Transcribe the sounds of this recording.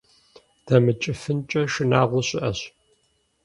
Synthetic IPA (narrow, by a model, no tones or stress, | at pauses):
d̥ɐmɨt͡ʃʼɪfɨnt͡ʃʼɐʃɪnaːʁʷʊɕʼɪʔɐɕ